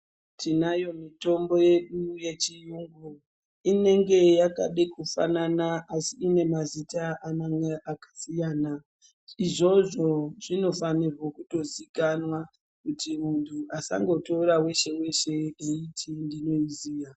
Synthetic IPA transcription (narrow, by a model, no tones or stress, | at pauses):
tʰinajo̞mito̞mbo̞je̞ɗuje̞t͡ʃijuŋɡu | ine̞ŋɡe̞jaka̰ɗekufa̰nanaasiːne̞mazitaʔanaŋɡaʔakḁsijaːna | iʐo̞ʐo̞ʐ̥ino̞fanirwokuto̞zikanwa | kutimuntʰuʔasa̰ŋɡo̞toɾawe̞ʃe̞we̞ʃe̞eitʰindino̞iziːja